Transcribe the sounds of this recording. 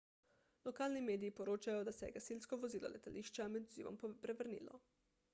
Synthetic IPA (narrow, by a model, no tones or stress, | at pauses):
lɔkaːlnimeːd̪iːpɔɾoːt͡ʃajɔd̪asɛjɛɡasilskɔʋɔziːlɔ̰lʔɛt̪alʔiːʃt͡ʃamɛd̪uziːʋɔ̰mpɾɛʋəɾnḭːlɔ̰